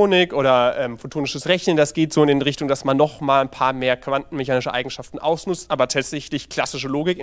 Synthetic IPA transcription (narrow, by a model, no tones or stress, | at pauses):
oːnɪkkʔoːɾɐʔɛːmfotʰoːnɪʃəsʁɛçnəndasɡ̥eːtz̥oːɪnɪnʁɪçtʊŋdasmanːɔχmaːlnpʰaːɐmeːɐkv̥antn̩mɛçaːnɪʃəʔaɪɡŋ̩ʃaftn̩ʔa̰ʊsnʊt͡stʔaːbɐtʰaːtz̥ɛçlɪçkl̥asɪʃəloːɡɪk